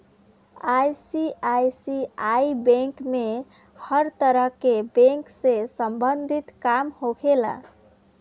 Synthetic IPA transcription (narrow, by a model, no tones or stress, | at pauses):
ajsiajsiaibẽŋkme | həɾt̪əɾəɦkebẽŋksesəmbənd̪ʱit̪kamhoɡela̰